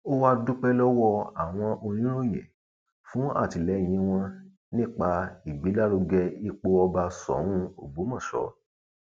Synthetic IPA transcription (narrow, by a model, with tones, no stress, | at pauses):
o˦wa˦du˦k͡pɛ˦lɔ˦wɔ˧a˨w̃ɔ̃˧ʔo˧ñĩ˦ɾo˦˨j̃ɛ̰̃˨ | fũ˨˦a̰˦˨ti˨lɛ˨˦j̃ĩ˧˦w̃ɔ̃˧ | nĩ˦˨k͡pa˧i˨ɡ͡bi˨˦la˦lo˧ɡɛ˧i˧k͡po˧ɔ˧ba˧sɔ̰˨˦w̃ũ˦o˨ɡ͡bu˨˦mɔ̃˦˨ʃɔ̰˨˦